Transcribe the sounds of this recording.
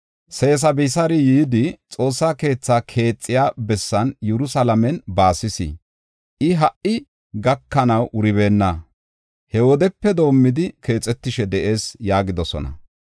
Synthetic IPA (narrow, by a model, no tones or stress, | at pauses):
se̞ːs̬ɐbɪsɐɾɪjiːd̪ɪt͡sʼo̞ːsːaːke̞ːt͡sːaːkʰe̞ːt͡sʼːɪjaːbɛsːɐnjɛɾʊsɐlɐmɛnbaːsɪsɪ̰ | ʔɪɦɐʔɪ | ɡɐkːɐnɐwʔʊɾɪβe̞ːnːɐ | hɛwɔd̪ɛpːɛd̪o̞ːmːɪd̪ɪke̞ːt͡sʼːɛt̪ːɪʃɛd̪ɛʔe̞ːsjaːɡɪd̪ɔsɔ̰nɐ̰